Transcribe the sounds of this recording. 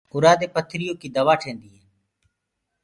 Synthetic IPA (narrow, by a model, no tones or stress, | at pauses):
ʊɾaːd̪eːpət̪ʰːɾɪjõːkiːd̪əʋaːʈʰẽːnd̪iːɦeː